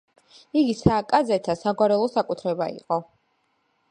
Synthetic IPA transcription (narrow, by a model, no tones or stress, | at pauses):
iɡisaːkʼad̪zɛt̪ʰasaɡwaɾɛlˠɔsakʼut̪ʰɾɛbaḭqʼɔ